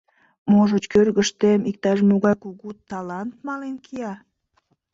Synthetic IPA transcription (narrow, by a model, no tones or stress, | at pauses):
moʒət͡ɕkørɣəʃt̪emik̚t̪ɑʃmuɣɑjkuɣut̪ːɑlɑnt̪mɑlenkʰiɑ